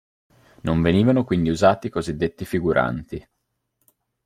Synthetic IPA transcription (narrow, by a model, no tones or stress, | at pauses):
noɱveniːvanokwind̪iuzaːt̪ikozid̪ːet̪ːifiɡuɾʔa̰nt̪i